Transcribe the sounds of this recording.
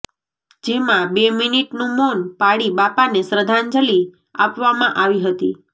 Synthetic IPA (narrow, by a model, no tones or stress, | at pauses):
d͡ʒemãbeminiʈnũmonpaɽibapanesɾəd̪ʱand͡ʒəli | a̰pʋamãʔaʋiɦət̪i